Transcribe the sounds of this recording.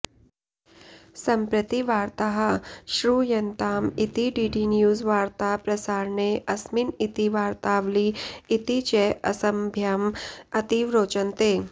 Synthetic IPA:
sɐmpɾət̪iʋaːɾt̪aɦəʃɾuːjɐnt̪aːmit̪iɖiːɖinjuːzʋaːɾt̪apɾɐsaːɾɳeʔɐsminit̪iʋaːɾt̪aːʋliːt̪it͡ʃeʔɐsɐmbʱjamɐt̪iʋɾoːt͡ʃənt̪eː

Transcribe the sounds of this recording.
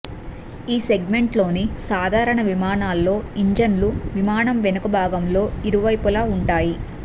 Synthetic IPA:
iːse̞ɡme̞ɳʈlo̞ːnisaːd̪ʱaːɾɐɳɐʋimaːnaːlːo̞ːiɲd͡ʒɐnluʋimaːnɐmʋenɐkɐbʱaːɡɐmlo̞ːiɾuʋɐjpulaːuɳʈaːji

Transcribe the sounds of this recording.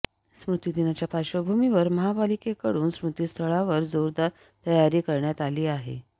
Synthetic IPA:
smɾut̪iːd̪inat͡ɕjapaɕəbʱumiʋəɾməɦabalikekəɽuːnsmɾut̪iːst̪ʰəɭaʋəɾd͡zoɾd̪a | t̪əjaɾiːkəɾɳjat̪aliːaɦḛ

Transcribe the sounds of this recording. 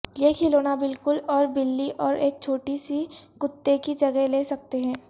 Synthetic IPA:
jekʰɪloːnabɪlkʊlɔːɾbɪlːiʔɔːɾeːk̚t͡ʃʰoːʈisikʊt̪ːekid͡ʒɐɡəɦleːsɐk̚t̪eɦɛ̃ː

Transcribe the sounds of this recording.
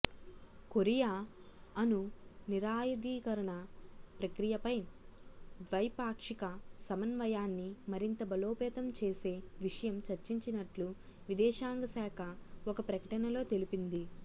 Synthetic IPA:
koɾijaːɐnuniɾaːjɐd̪iːkɐɾɐɳɐpɾɐkɾijɐpɐj | ʋɐjpaːkʂikɐsɐmɐnʋɐjaːnːimɐɾint̪ɐbɐlo̞ːpɛːt̪ɐmt͡ʃe̞ːse̞ːʋiʂɐjɐmt͡ʃɐɾt͡ʃiɲt͡ʃinɐʈlu | ʋid̪ɛːʃaːŋɡɐsaːkʰɐɔkɐpɾɐkɐʈɐnɐlo̞ːt̪e̞lipind̪i

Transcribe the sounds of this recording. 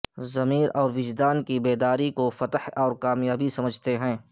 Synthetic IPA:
zɐmiːɾɔːɾʋɪd͡ʒd̪aːnkibeːd̪aːɾikofɐt̪əhɔːɾkaːmjaːbisɐməd͡ʒʱt̪eɦɛ̃ː

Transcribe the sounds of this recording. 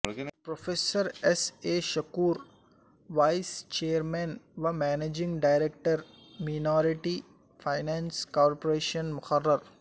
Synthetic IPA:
pɾofʰeːsəɾeseːʃɐkuːɾ | ʋaɪst͡ʃeːəɾmẽnʋamæːneːd͡ʒĩŋɡɖaɪɾek̚ʈəɾ | minɔːɾiʈi | fʰaɪnãːnskɔːɾpoɾeːʃənmʊxɐrːɐɾ

